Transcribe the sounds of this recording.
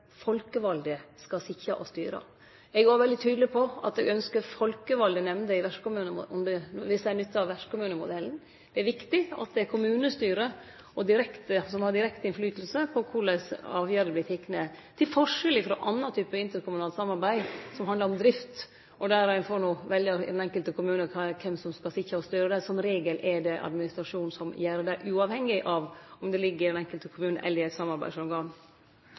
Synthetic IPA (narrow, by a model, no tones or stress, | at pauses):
fɔlkəʋɑld̪əskɑsɪçɑʔɔst̪y̰ːɾə̰ | ɛɡæːɾʋɛld̪ɪt̪ʰyːd̪lɪpʰɔɑ̰t̪ɛɡœnskəɾfɔlkəʋɑld̪ənɛmnd̪əɪʋæʂkʊmʉːnəmʊɔmd̪ɛʋɪsd̪ɛæɳʏt̪ʰːəɑʋæʂkʊmʉːnəmʊd̪ɛln̩ | d̪̥ɛæɾʋɪkt̪ɪɑ̰t̪̚d̪ɛækʰʊmʉːnəst̪yːɾə | ʔɔd̪ɪɾɛkt̪əsɔmhɑɖɪɾɛkt̪ɪnflyːt̪l̩səpʰɔkʰʊɖɛsɑːʋjæɾəpʰlɪt̪ʰɪkːnət̪ʰɪlfɔʂɛlɪfɾɔ̰ʔɑnːɑt̪ʰyːpəɪnt̪əɾkʊmʉnɑːlt̪sɑmːɑɾbæɪsɔmhɑnləɾɔmd̪ɾɪft̪ | ʔɔd̪æɾæɪnfoːɳuːʋɛljəɾd̪ɛnɛŋkəlt̪əkʊmʉːnəkʰɑkʰɛmsɔmskɑsɪçɾəɔst̪yːɾəd̪ɛsɔnɾeːɡəlʔɛdɛʔɑ̰d̪mɪnɪst̪ɾɑʂuːnsɔmjæːɾəd̪æʔʉːɑʋhɛŋːɪʔɑʋɔmd̪ɛlɪɡːəɾɪd̪ɛnɛŋkəlt̪əkʰʊmʉːnə̰ʔɛ̰lːəɪɛsɑmɑɾbæ̰ɪʂɔɡɑɳ